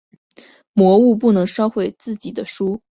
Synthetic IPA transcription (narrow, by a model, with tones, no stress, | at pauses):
mwɔ˧˥u˥˧p̬u˥˩nɤ˧˥ŋʂɑ˥ʊxwe˥˩ɪt͡sɹ̩˥˩t͡ɕi˨˩d̪ə˦ʂu˥